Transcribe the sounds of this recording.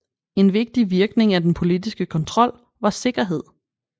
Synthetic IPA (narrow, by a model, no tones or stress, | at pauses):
e̝nʋe̝ɡ̥̚d̥iʋiɐɡ̥ne̝ŋæd̥enpʰo̝lid̥isɡ̥əkʰɒ̽nt͡sʰʁɒ̽l̰ | ʋɑ̈se̝ɡ̥ɐɦe̝ð̞̰ˠ